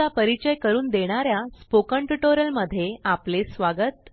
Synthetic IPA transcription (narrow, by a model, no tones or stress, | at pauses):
apəɾit͡ɕəjkəɾuːnd̪eɽ̃aɾjaspokəɳʈuʈoɾjəlməd̪ʱːjeaplesʋaɡət̪